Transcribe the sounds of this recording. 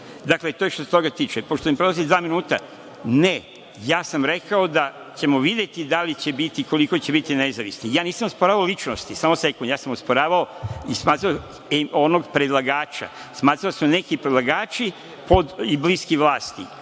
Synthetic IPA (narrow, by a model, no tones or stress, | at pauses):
d̪akle̞t̪ojeʃt̪oset̪oɡat̪iːt͡ʃepoʃt̪omimpɾolˠazild̪ʋaːminuːt̪a̰ | ne | jaːsamɾe̞kaod̪a | t͡ɕe̞mo̞ʋid̪jet̪id̪alit͡ɕe̞bit̪iko̞likot͡ɕebit̪inezaʋisnijaːniːsamospoɾaːʋaolit͡ʃnost̪isaːmose̞kund̪jaːsamospoɾaːʋaoismaːt̪ɾao | onoɡpɾed̪lˠaɡaːt͡ʃa̰ | smaːt̪ɾaosmone̞kipɾed̪lˠaɡaːt͡ʃi | po̞d̪ibliskiʋlˠaːst̪ḭ